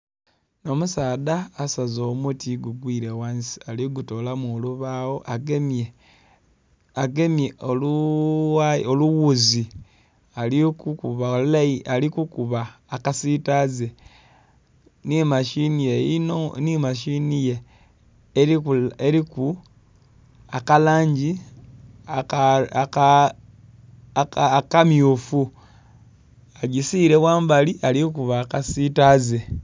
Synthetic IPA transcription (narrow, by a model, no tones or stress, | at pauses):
no̞musaːðaːsazoːmutʰiɡuɡwiːɾewansi̥aliɡuto̞lamuoluβawo̞ʔaɡee | aɡemeolu | aoluwuzi | alikukuβalulaialikukuβaː | kasitaze | nimaʃinijejinonimaʃinijeː | ieɾiku | akalaːɲd͡ʒi | aka | kamjufu | aɟisiɾeβwaːmbaliʔalikuβakasitaze̞